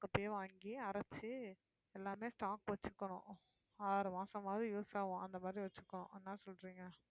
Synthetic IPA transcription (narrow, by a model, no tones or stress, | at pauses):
kːɐpːɐjɐʋaːŋɡiɐɾɐt͡ʃːɯ | ɛlːaːmeːsʈaːkʋɐt͡ʃːɯkːɐɳʊ̰̃ | aːɾɯmaːsɐ̃maːðɯjuːsaːʋʊ̃ɐnd̪ɐmaːd̪ɾiʋɐt͡ʃːɯkːɐɳʊ̃ʔɛnːaːsɔlɾiːŋɡɐ